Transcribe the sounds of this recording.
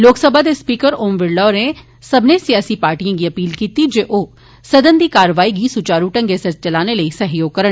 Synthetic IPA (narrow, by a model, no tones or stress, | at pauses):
loːksəbʱad̪espiːkəɾoːmʋɪɖɖɔːɾe | sɐbnesijaːsipaːɾʈijãɡiɐpiːlkiːt̪id͡ʒeːʔoː | sɐd̪ənd̪iːkaːɾəʋaːiɡisʊt͡ʃaːɾuʈə̃ŋɡesɐɾt͡ʃ̚t͡ʃɐlaːneləisɐɦjoːɡ̚kɐɾəɳ